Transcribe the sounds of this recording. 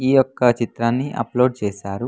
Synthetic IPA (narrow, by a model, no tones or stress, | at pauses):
iːjɔkːɐt͡ʃit̪ɾaːnːiʔɐ̰plo̞ːɖ̚t͡ʃeːsaːɾu